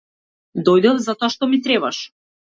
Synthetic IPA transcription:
d̪ɔjd̪ɛvzat̪oaʃt̪ɔmit̪ɾɛβaʃ

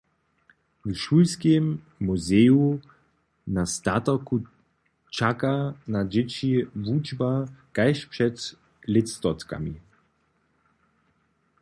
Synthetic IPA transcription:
vʃuːlskemː | uzeːu | nast̪atɐku | t͡ʃakanad͡ʒɪt͡ɕivud͡ʒbakaɪʃpʃɛt | lɪtst̪ɔt̪ka̰mi

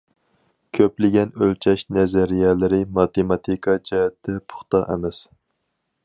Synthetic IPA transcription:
kʲʰøplɪɡʲɛnølt͡ʃʰɛʃnɛzɛɾijɛlɪɾɪmɑt̪emɑt̪ʰikʰɑd͡ʒɛɦɛt̪ːɛpʰʊ̥χt̪ɑ̰ʔɛ̰mɛs

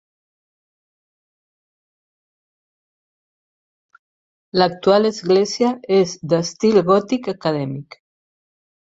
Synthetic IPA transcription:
lak̚t̪ualəzɣlezjaezd̪əst̪ilɣɔt̪ikakaðɛmik

